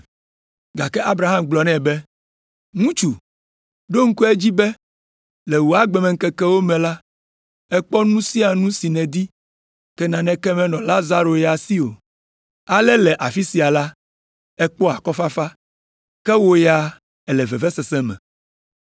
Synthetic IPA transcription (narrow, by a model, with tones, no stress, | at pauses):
ɡa˨kɛ˦ʔa˦bɾa˨ɦa˦mɡ͡blɔ˨nɛ̃˦˨bɛ˦ | ŋũ˦t͡ʃu˨ | ɖo˦ŋ̩˦ku˦e˦d͡ʑi˦bɛ˦ | lɛ˨wo˨a˦ɡ͡bɛ˨mɛ̃˨ŋ̩˦kɛ˦kɛ˦wo˦mɛ̃˨la˦ | ɛ˦k͡pɔ˦nũ˦si˦a˨nũ˦si˨nɛ̃˨d̪i˦ | kɛ˦nã˨nɛ̃˦kɛ˦mɛ̃˨nɔ̃˨la˦za˦ɾo˨ja˨si˦o̰˨ | a˦lɛ˦lɛ˨ʔa˨fi˦si˨a˨la˦ | ɛ˦k͡pɔ˦a˨kɔ˦fa˦fa˦ | kɛ˦wo˦ja˨ | ɛ˨lɛ˨vɛ˨vɛ˦sɛ˨sɛ̃˦mɛ̰̃˨